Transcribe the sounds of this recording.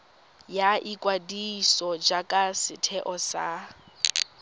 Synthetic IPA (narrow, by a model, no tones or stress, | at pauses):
jaʔikʼwadisɔd͡ʒakʼasɪtʰɛʔɔsa